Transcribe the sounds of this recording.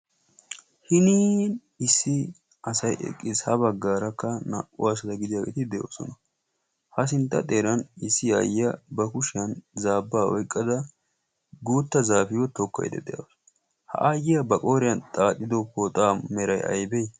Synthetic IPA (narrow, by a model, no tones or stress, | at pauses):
hɪniːn | ɪsːɪ | ɐsɐjɛ̰kʼːɪzhɐbɐɡːaːɾɐkːɐnɐ̰ʔʊwasɐd̪ɐɡɪd̪ɪjaːɡɛt̪ɪd̪ɛjo̰ːsɔ̰nɐ | hɐsɪnt̪ːɐ̰t̪ʼeːɾɐnɪsːɪja̰ːjɪjɐbɐkʊʃɪjɐnzaːbːaːwɔ̰jkʼːɐd̪ɐ | ɡuːt̪ːɐzaːfɪjɔt̪ɔkːɐ̰jd̪ɛ̰d̪ɛja̰ws | hɐ̰ʔaːjɪjɐbɐkʼoːɾɪjɐnt̪ʼaːt̪ʼːɪd̪ɔpot̪ʼaːmɛɾɐjɐ̰jbɛj